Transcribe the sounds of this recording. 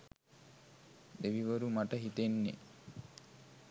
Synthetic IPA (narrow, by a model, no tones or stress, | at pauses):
eʋiʋəɾumaʈəɦit̪enːḛ